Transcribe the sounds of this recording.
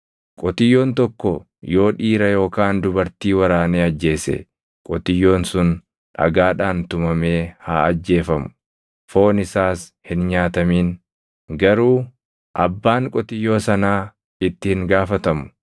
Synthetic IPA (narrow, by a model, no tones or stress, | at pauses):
kʼɔt̪ɪjːo̞ːnt̪ɔkːɔ | jo̞ːᶑiːɾɐjo̞ːkaːnd̪ʊbɐɾt̪iːwɐɾaːneːɐd͡ʒːe̞ːsɛ̰ | kʼɔt̪ɪjːo̞ːnsʊn | ᶑɐ̰ɡaːᶑaːnt̪ʊmɐme̞ːhaːɐd͡ʒːe̞ːfɐmʊ̥ | fo̞ːnɪsaːshɪnɲaːt̪ɐmiːn | ɡɐɾuː | ʔɐbːaːŋkʼɔt̪ɪjːo̞ːsɐnaː | ɪt̪ːɪhɪŋɡaːfɐt̪ɐmʊ̥